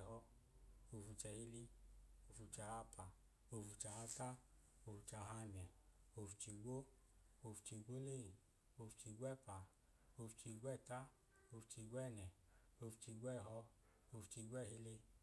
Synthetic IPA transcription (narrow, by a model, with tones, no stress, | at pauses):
hɔ˧ | o˧fu˧t͡ʃɛ˧hi˧li˧o˧˨fu˧t͡ʃa˧ha˧pa˨ | o˧fu˧t͡ʃa˧ha˧ta˦ | o˧fu˧t͡ʃa˧ɦa˧nɛ˨o˧fu˧t͡ʃi˧ɡʷo˦ | o˧fu̥˧t͡ʃi˧ɡʷo˦le˦˨i˨ | o˧fu̥˧t͡ʃi˧ɡʷɛ˦˨pa˨ | o˧fu˨˧t͡ʃi˧ɡʷɛ˦˨ta˦ | o˧fu̥˧t͡ʃi˧ɡʷɛ˦˨nɛ˨ | o˧fu˧t͡ʃi˧ɡʷɛ˦˨ɦɔ˧ | o˧fu̥˧t͡ʃi˧ɡʷɛ˦˨ɦi˧le˧